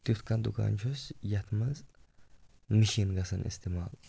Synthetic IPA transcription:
t̪ɪʊt̪kːɐnd̪ʊkɐ̰nt͡ʃɔsjɐt̪mɐz | mɪʃiːnɡɐsɐnʔɪ̰st̪ɪmaːl

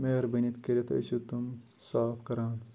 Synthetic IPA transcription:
meːɾbɐnit̪keɾet̪ʰoḭsut̪um | saːpkɐɾaːn

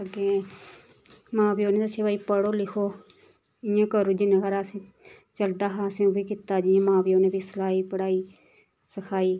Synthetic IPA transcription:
əɡe | mãːbiːoːneːt̪əsẽʋaːiːpəɽoːlɪkʰoː | ɪjẽːkəɾuːd͡ʒɪnəɡəɾasĩː | t͡ʃəld̪aːɦãːsẽũbiːkɪt̪aːd͡ʒiːẽːmãːbiːoːneːbiːsəlaːiːpəɽaːiː | səkʰaːiː

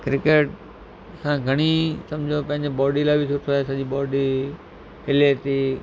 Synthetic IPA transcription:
kɾɪkeːʈ | sãːɡʱɐɽ̃isɐ̃md͡ʑʱopɐ̃ɦɪɲd͡ʑebɔːɖilaːbɪsʊt̪ʰoaːesɐʄibɔːɖi | ɦɪlet̪iː

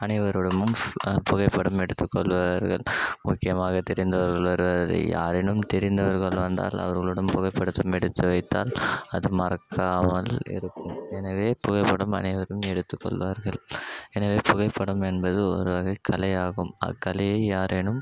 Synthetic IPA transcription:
ɐnɪʋɐɾɯɽɐmɯmpʊɣɐɪpːɐɽɐmɛɽɯt̪ːɯkːɔɭʋaɾɣɐ̰ɭmʊkːɪjɐmaːɣɐt̪ːɛɾɪnd̪ɐʋɐɾɣɐɭʋɐɾɯʋɐɾɐɐ̰ja̰ːɾɛnɯmt̪ɛɾɪnd̪ɐʋɐɾɣɐɭʋɐnd̪a̰ːlɐ̰ʋɐɾɣɐɭɯɽɐnpʊɣɐɪpːɐɽɯt̪ːɯmɛɽɯt̪ːɯʋɐɪt̪ːa̰ːlɐðɯmɐɾɐkʰːaːmɐlɪ̰ɾɯkːɯmɛnɐʋeːpʊɣɐɪpːɐɽɐmɐ̰nɐɪʋɐɾɯmɛɽɯt̪ːɯkːɔ̰ɭʋaːɾɣɐɭɛnɐʋeːpʊɣɐɪpːɐɽɐmɛnbɐðɯɔ̰ɾɯʋɐɣɐɪkʰːɐlɐjaːɣɯmɐ̰kːɐlɐjɐɪjaːɾʔɛnɯm

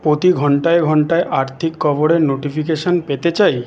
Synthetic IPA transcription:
pɾot̪iɡʱɔɳʈaeɡʱɔɳʈaeʔaɾt̪ʰikːɔboɽeɾnoʈipʰikeʃonpet̪et͡ɕaj

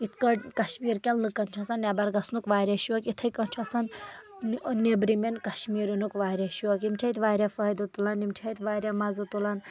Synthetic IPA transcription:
it̪ʰkɐʈkɐʃmiːɾkʲelnɨkɐnt͡ʃʰɐsɐnːʲabɐɾɡɐsnukʋaːɾʲjaʃuɐkit̪ʰɐjkɐnʲt͡ʃʰuɐsɐn | nebɾimenkɐʃmiːɾunukʋaːɾʲaʃuɐkimt͡ʃʰɐit̪ʋaːɾʲafɐjd̪ut̪ulɐnimtʲʰait̪ʋaːɾʲamɐzɨt̪ulɐn

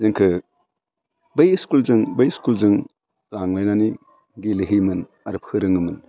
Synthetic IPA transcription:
zɯŋkʰɯ | bɐjskulzɯŋbɐjskulzɯŋ | ɾaŋlajnani | ɡileɦimɯn | ɐɾɯp̚ʰhʰɯɾɯŋɯmɯn

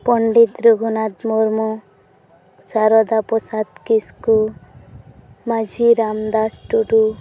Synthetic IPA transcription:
pɔɳɖit̪ɾuɡʱunad̪moɾmɔ | saɾɔd̪apɔsad̪kisku | mad͡ʒʱiɾamd̪asʈuʈu

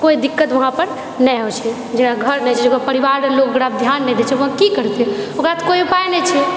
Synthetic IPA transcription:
koid̪ikːət̪ʋəɦãpəɾ | nɛjɔt͡ʃʰɛ | d͡ʒeɽaɡʱəɾnɛt͡ʃʰɛd͡ʒekopəɾibaɾɾelok̚ɡəɽab̚d̪ʱjanːɛd̪et͡ʃʰɛʋəɦãkikəɾt̪iɛokɾat̪ʰkoiupajnɛt͡ʃʰɛ

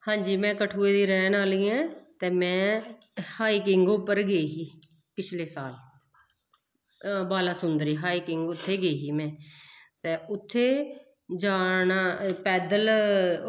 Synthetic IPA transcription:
hãːɲd͡ʒiːmɛ̃ːkəʈʰuːeːd̪iːɾɛ̃ːnaːliːãːt̪eːmɛ̃ː | haːiːkɪŋɡopːəɾɡeiɦiː | pɪt͡ʃʰleːsaːl | baːlaːsʊnd̪əɾiːɦaːiːkɪŋɡʊt̪ʰːeːɡeɦiːmɛ̃ːt̪eːʊt̪ʰːeː | d͡ʒaːnapɛːd̪əl

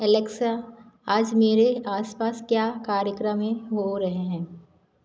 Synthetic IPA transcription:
ɛleːksa | aːd͡ʒmeːɾeaːspaːskjaːkaːɾjəkɾəmẽɦoɾɐɦeɦɛ̃ː

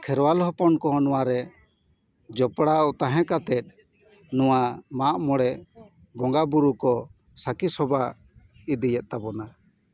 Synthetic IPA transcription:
kʰɛɾwalɦɔpɔnkɔnɔwaɾɛ | d͡ʒɔpɽaɔt̪aɦɛ̃kat̪ɛt̪̚ | nɔwamaʔmɔɽɛʔ | bɔŋɡabuɾukɔ | sakisɔba | id̪ijɛt̪̚t̪abɔna

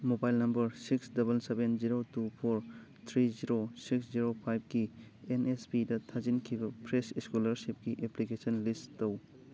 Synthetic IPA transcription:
mobajlnɐmbɐɾsiksdɐbɐlsebenziɾotupʰoɾt̪ʰɾiziɾosiksziɾopʰajb̚ɡienespidɐtʰazinkʰibɐpʰɾesiskulɐɾsip̚kiʔeplikesɔnlistow

